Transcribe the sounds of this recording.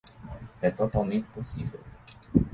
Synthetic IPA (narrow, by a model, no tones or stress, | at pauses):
ɛt̪ot̪almẽnt̪ɪ̥posivɛw